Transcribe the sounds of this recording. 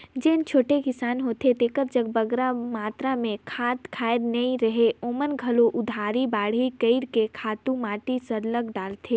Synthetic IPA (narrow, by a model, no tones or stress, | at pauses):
d͡ʒeːnt͡ʃʰoːʈekɪsaːnɦoːt̪ʰet̪eːkəɾd͡ʒəɡ̚bɐɡɾamaːt̪ɾamẽkʰaːt̪kʰaːjɾnɐĩɾɐɦeoːmənɡʱɐloʔʊd̪ʱaːɾibaːɽ̤ikəɪɾkekʰaːt̪ũmaːʈisɐɾləɡɖaːlt̪ʰeː